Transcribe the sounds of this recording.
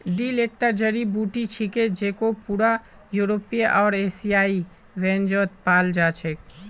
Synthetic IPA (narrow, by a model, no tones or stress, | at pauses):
ɖilek̚t̪əɾd͡ʒəɾibuʈit͡ʃʰiked͡ʒeːkopuːɾa | juɾopiʔɔːɾesijaːi | ʋɛ̃ːnd͡ʒoːt̪̚paːld͡ʒaːt͡ʃʰɛk